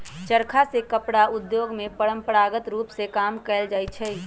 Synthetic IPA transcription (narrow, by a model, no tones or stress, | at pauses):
t͡ʃəɾkʰasekəpɽaʊd̪joːɡmẽpəɽə̃mpəɾaːɡət̪ɾuːpsekaːmkɛɪld͡ʒaːit͡ʃʰɛ